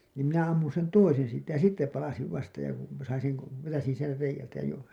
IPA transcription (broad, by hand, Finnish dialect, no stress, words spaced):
niːm minæ ɑmːun̞ sen toisen̞ siːtˑæ jɑ sitːe pɑlɑsiʋ ʋɑstɑ jɑ kun sɑin̞ seŋ ko ʋetæsin ser reijæltæ jo